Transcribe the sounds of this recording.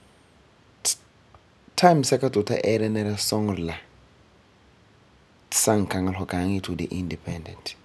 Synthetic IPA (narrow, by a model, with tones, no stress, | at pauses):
tʰa˦jmsɛ˦ka˦tu˨ta̰˦ʔɛ˦ɾɛ˦nɛ˦ɾa˦sɔ˦ŋɾla˨ | tsa˦ŋ˨ka˨ŋa˦lɔ˨ka˨˦ŋi˦tʰu˨dḛ˨ʔĩndipʰɛ̃ndɛ̃˨nt